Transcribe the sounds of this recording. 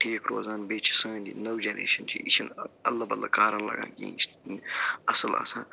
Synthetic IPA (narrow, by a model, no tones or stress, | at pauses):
ʈʰeːkɾo̰ːzaːnbeːt͡ʃʰi̥sə̃ːnd̪ḭnowd͡ʒenɾḛːʃɐnt͡ʃʰḭit͡ʃʰinɐlːɐbɐlːakaːɾɐnlɐ̰ɡã̰ːnkḭ̃ːt͡ʃʰ | ɐsəla̰ːsã̰ː